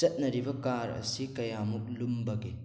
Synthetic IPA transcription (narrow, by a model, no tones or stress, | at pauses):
t͡ʃɐt̚nɐɾibɐkaɾɐ̰sikɐjamuk̚lumbɐɡe